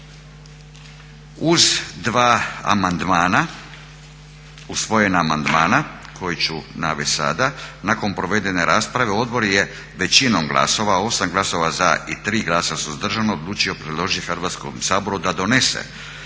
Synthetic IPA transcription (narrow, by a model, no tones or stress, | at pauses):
uzd̪ʋaːa̰mand̪maːna | usʋo̞je̞naːmand̪maːna | kʰojit͡ɕunaʋesa̰d̪anako̞npɾo̞ʋe̞d̪e̞ne̞ɾʔaːspɾaʋe̞o̞d̪bo̞ɾje̞ | ʋe̞t͡ɕinomɡlˠa̰so̞ʋao̞samɡlˠaso̞ʋazait̪ɾiːɡlˠaːsasuzad̪r̩ʒanood̪lˠuːt͡ʃio̞pɾed̪lˠo̞ʒit̪ixrʋaːt̪sko̰msaːbo̞ɾud̪ad̪o̞ne̞sḛ